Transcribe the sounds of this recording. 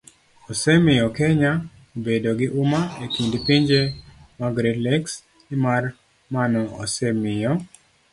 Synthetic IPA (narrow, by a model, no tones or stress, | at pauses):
ɔsɛmɪjɔkeɲa | obedoɡɪʔʊmaekindpiɲd͡ʒemaɡɾedlɛks | ɪmar | manɔɔ̰sɛmɪjɔ